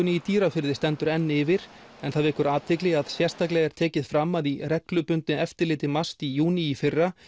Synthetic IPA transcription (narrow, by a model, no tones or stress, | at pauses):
ʏnɪit̪iːɾafɪɾðɪst̪ɛnt̪ʏɾɛnːɪvɪɾ̥ | ɛnθaðvɪhkʏɾaːt̪ʰɪklɪɣaðsjɛr̥t̪aklɛɣɛɾ̥t̪ʰɛːcɪðfɾamːaðirɛklʏpʏnt̪nɪɛft̪ɪɾlɪːt̪ɪmast̪ijuːniːfɪrːa